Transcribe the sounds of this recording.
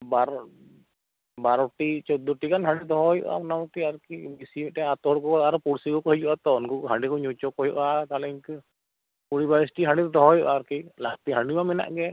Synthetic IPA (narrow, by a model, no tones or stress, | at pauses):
baɾ | baɾɔʈit͡ʃɔd̪ɔʈikanɦaɖid̪ɔɦɔjɔ̰ʔa̰pnamɔkiaɾkibisimɛtɛat̪ɔɔɽkɔɔaɾɔpuɽsikɔkɔɦɛd͡ʒuʔat̪ɔɔnkɔkɦaɖikɔɲɔt͡ʃɔkɔjuʔat̪alɛiɲkɯ | puɽibaɾisʈiɦãɳɖid̪ɔɦɔjɔ̰ʔaːɾkilakt̪iɦaɳɖiwamɛna̰ʔɡɛ